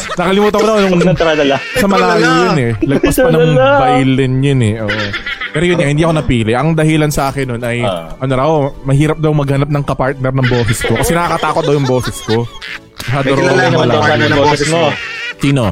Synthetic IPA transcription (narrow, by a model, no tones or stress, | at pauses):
nɐkɐlɪmuːt̪ɐŋkonɐnʊŋt̪ɾad̪ɐlasɐmɐlaːɡɪjʊnɛlɐɡ̚ɐspɐnɐŋbajlɛnjʊnɛʔoːʔopɛːɾojʊnahɪnd̪iʔɐkonɐpiːlɪʔɐŋd̪ɐhilɐnsɐʔaːkɛnːonʔɐjʔɐnoɾɐmɐhiːɾɐp̚d̪ɐwmɐɡ̚hɐnap̚nɐŋkɐpaɹt̪̚nɛɾnɐŋboːsɛsko̞kɐsɛnɐkaːkɐt̪aːkot̪̚d̪ɐwjʊŋbo̞ːsɛsko̞ | mɐɦaːd̪oɾɐɐɐnmɐlaaɛsosiːno